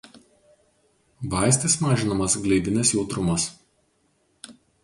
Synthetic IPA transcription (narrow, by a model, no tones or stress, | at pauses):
ʋɑˑɪsʲt̪ʲɪsmɑːʒʲɪnɐmɐsɡlʲɛɪd̪ʲɪnʲɪsjɛʊt̪ɾʊmɐs